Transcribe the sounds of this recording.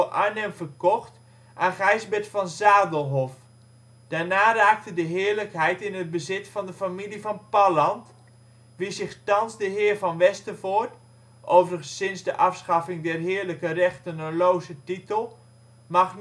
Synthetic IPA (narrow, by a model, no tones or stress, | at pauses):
ʔanəmvərkɔχt | ʔaːχɛjzbɛtfɑnzaːdəlˠɦɔf | d̥aːɹnaːraːk̚tədəɦɪːɹləkɦɛjtɪnəd̚bəzɪtfɑndəfamilivɑnpɑlɑnt | ʋizɪχtɑnzdəɦɪːɹvɑnʋɛstəvoːɹt | ʔowvərɣəsɪnzdəʔɑfsχɑfɪŋdɛrɦɪːɹləkərɛχtənəlowzətitəlˠ | mɑχn